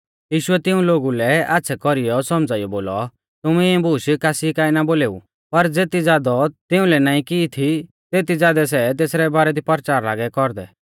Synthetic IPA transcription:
jiːʃʊɛt̪ɪũloːɡulɛatːsʰɛkɔɾijɔsɔmd͡zaːijɔboːlɔ̰ | t̪ʊmɛɛ̃buːʃkaːsikaːinaboːleːṵ | pɐɾd͡zeːt̪id͡zjaːd̪ɔt̪ɪʊ̃lɛnaːĩkiːt̪ʰi | t̪eːt̪id͡zjaːd̪ɛs̬ɛt̪̬eːsɾɛbaːɾɛd̪ipɐɾt͡ʃaːɾla̰ːɡɛkɔɾd̪ɛ̰

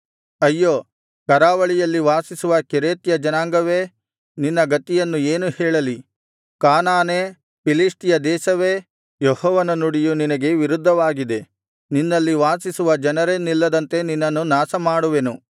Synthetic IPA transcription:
ɐjːoː | kɐɾaːʋɐɭijɐlːiʋaːsisuʋɐkeɾeːt̪jɐd͡ʒɐnaːŋɡɐʋeː | ninːɐɡɐt̪ijɐnːueːnuhɛːɭɐli | kaːnaːneː | pilisʈijɐd̪ɛːʃɐʋe | jɔhɔːʋɐnɐnuɽijuninɐɡe̞ʋiɾud̪ʱːɐʋaːɡid̪e̞ | ninːɐlːiʋaːsisuʋɐd͡ʒɐnɐɾenilːɐd̪ɐnt̪e̞ninːɐnːunaːsɐmaːɽuʋe̞nu

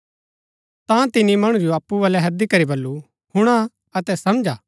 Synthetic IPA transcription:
t̪ãt̪ɪnimɐɽ̃ud͡ʒoaːpːuʋɐːlɛɦɐd̪ikɐɾibɐlːu | hʊɽ̃a | ɐt̪ɛsɐmd͡ʒaː

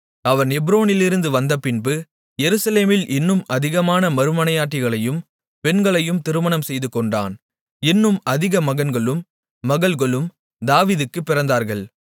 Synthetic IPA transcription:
ɐʋɐnɛbɾoːnɪlɪɾɯnd̪ɯʋɐnd̪ɐpɪnbɯ | jɛɾɯsɐleːmɪlʔɪnːɯmɐðɪɣɐmaːnɐmɐɾɯmɐnɐjaːʈːɪɣɐɭɐjɯm | pɛnɡɐɭɐjɯmt̪ɪɾɯmɐnɐmsɛjðɯkːɔɳɖa̰ːn | ɪnːɯmɐðɪɣɐmɐɣɐnɡɐɭɯmː | ɐɣɐɭɣɐɭɯm | d̪aːʋiːðɯkːɯpːɪɾɐnd̪aːɾɣɐɭ

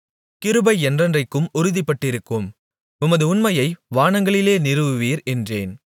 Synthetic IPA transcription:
kɪɾɯbɐɪɛndrɐndrɐɪkːɯmʊɾɯðɪpːɐʈːɪɾɯkːɯm | ʊmɐðɯʊnmɐjɐɪʋaːɳɐŋɡɐɭɪleːnɪɾɯʋɯʋiːɾɛndreːn

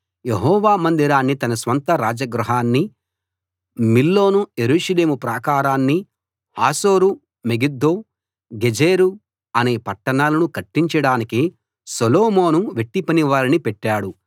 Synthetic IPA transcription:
jeɦɔːʋaːmɐnd̪iɾaːnːit̪ɐnɐsʋɐnt̪ɐɾaːd͡ʒɐɡɾuɦaːnːi | milːo̞ːnuje̞ɾuːʂɐle̞ːmupɾaːkaːɾaːnːi | haːsoːɾu | meɡid̪ːoː | ɡed͡ʒeːɾu | ɐne̞ːpɐʈːɐɳaːlɐnukɐʈːiɲt͡ʃɐɽaːniki | soloːmoːnuʋeʈːipɐniʋaːɾinipɛʈːaːɽu

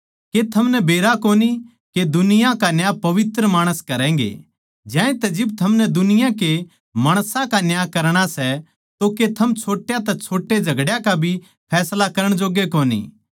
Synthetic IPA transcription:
ket̪ʰɐmnɛbeːɾakoːni | ked̪ʊnɪjãkanjaːpɐʋɪt̪ɾəmaːɽ̃əskɐɾɛ̃ːŋɡḛ | d͡ʒjãːĩt̪ɛd͡ʒɪb̚t̪ʰɐmnɛd̪ʊnɪjãke | maːɽ̃sãkanjaːkɐɾɽ̃asɛ | t̪oket̪ʰɐmt͡ʃʰoːʈjat̪ɛt͡ʃʰoːʈːed͡ʒʱɐɡɽjãkabʱi | pʰɛːslakɐɾəɽ̃d͡ʒoːɡekoːnḭː

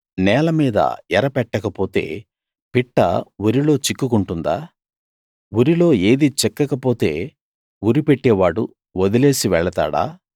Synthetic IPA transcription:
nɛːlɐmiːd̪ɐ̰ɛɾɐpɛʈːɐkɐpo̞ːt̪e̞̰ː | piʈːɐ̰wuɾilo̞ːt͡ʃikːukuɳʈund̪aː | wuɾilo̞ːeːd̪it͡ʃɛkːɐkɐpo̞ːt̪e̞ː | uɾipeʈːeːʋaːɽṵ | od̪ile̞ːsiʋɛɭɐt̪a̰ːɽa̰ː

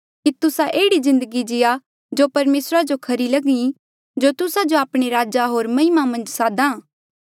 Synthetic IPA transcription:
kit̪ʊsaʔeːɽizɪ̃nd̪əɡid͡ʒɪja | d͡ʒopɐɾmeːsɾad͡ʒokʰɐɾilɐɡĩ | d͡ʒot̪ʊsad͡ʒoaːpɽ̃eɾaːd͡ʒaɦoːɾmɐɦɪmamɐ̃nd͡ʒsaːd̪ãː

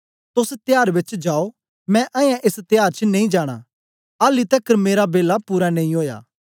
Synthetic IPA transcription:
t̪ʊst̪ɪjaːɾbɪt͡ʃd͡ʒaːo | mɛ̃ʔãːjãʔest̪ɪjaːɾt͡ʃnẽĩd͡ʒaːɽ̃a̰ | aːlit̪ɛkːəɾmeːɾabeːlapuːɾanẽːĩoːja̰ː

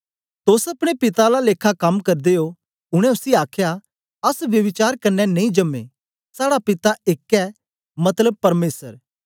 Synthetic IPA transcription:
t̪oːsɐpɽ̃epɪt̪alaleːkʰakɐmkɐɾd̪eo | ʊɽ̃ɛ̃ʊsiaːkʰja | ɐsʋjɐʋɪt͡ʃaːɾkɐnːɛnɐ̃ĩd͡ʒɐmḛ | saːɽapɪt̪aɪkːɛ | mɐt̪ləb̚pɐɾmeːsəɾ

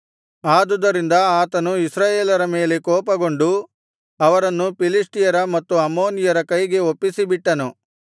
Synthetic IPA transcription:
aːd̪ud̪ɐɾind̪ɐaːt̪ɐnuisɾaːjeːlɐɾɐme̞ːle̞kɔːpɐɡo̞ɳɖu | ɐʋɐɾɐnːupilisʈijɐɾɐmɐt̪ːuɐmoːnijɐɾɐkɐjɡe̞opːisibiʈːɐnu

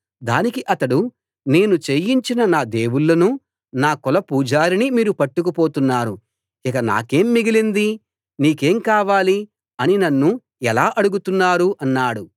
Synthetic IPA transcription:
d̪a̰ːnikiʔɐt̪ɐɽu | ne̞ːnut͡ʃejiɲt͡ʃinɐnaːd̪e̞ːwuɭːɐnu | naːkɔlɐpuːd͡ʒaːɾinimiːɾupɐʈːukupo̞ːt̪unːaːɾu | ikɐna̰ːke̞ːmːiɡilind̪i | niːke̞ːmkaːʋaːli | ɐninɐnːu | ɛlaːʔɐɽuɡut̪unːaːɾuʔɐnːaːɽu

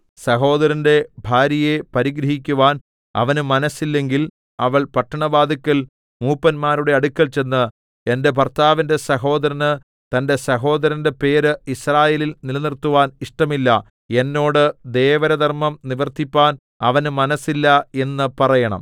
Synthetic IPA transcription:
sɐɦo̞ːd̪ɐɾɐnde̞bʱaːɾɐjepɐɾiɡɾɐɦikʲːuʋaːn | ɐ̰ʋɐnɨmɐnɐsːilːe̞ŋɡil | ɐʋɐɭpɐʈːɐɳɐbaːd̪ʱɐkʲːɐl | muːpːɐnmaːɾuɽe̞ɐɽukʲːɐlt͡ɕe̞nːɨ | e̞nde̞p̬ɐrt̪aːʋɐnde̞sɐɦo̞ːd̪ɐɾɐnɨ | t̪ɐnde̞sɐɦo̞ːd̪ɐɾɐnde̞pe̞ːɾɨisraːjeːlilnilnirt̪ːuʋaːniʂʈɐmilːɐ | e̞nːo̞ːɽɨd̪e̞ːʋɐɾɐd̪ʱɐrmɐmniʋɐrt̪ipːaːn | ɐ̰ʋɐnɨmɐnɐsːilːɐe̞nːɨpɐrɐjɐɳɐ̰m

